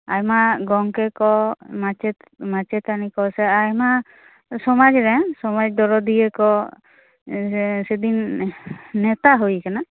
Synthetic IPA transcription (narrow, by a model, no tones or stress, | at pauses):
a̰jmaɡɔŋkɛkɔmat͡ʃɛt̪ | mat͡ʃɛt̪anikɔsɛajma | sɔmad͡ʒɾɛsɔmad͡ʒd̪ɔɾɔd̪ijɛkɔ | sɛd̪inː | ɛt̪aɦojkana